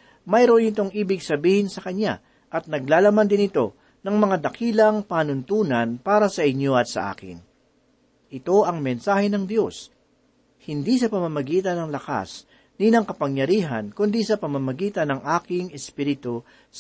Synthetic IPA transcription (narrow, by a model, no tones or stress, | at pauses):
mɐjɾonɪt̪o̞ŋʔiːbɪɡsɐbiːhɪnsɐkɐɲa̰ | ʔɐt̪̚nɐɡ̚laːlɐmand̪ɪnɪt̪o̞ | nɐŋmɐŋad̪ɐkiːlɐŋpaːnʊnt̪uːnɐnpaːɾɐsɐʔɪɲjo̞ɐt̪̚sɐ̰ʔa̰ːkɪ̰n | ʔɪt̪o̞ʔɐŋmɛnsaːhɛnɐŋd̪jo̞s | hɪnd̪isɐpɐmamɐɡiːt̪ɐnɐŋlɐka̰s | ninɐŋkɐpɐŋjɐɾiːɦɐ̰nkʊnd̪isɐpɐmamɐɡiːt̪ɐnɐŋʔaːkɪŋɛspiːɾɪt̪u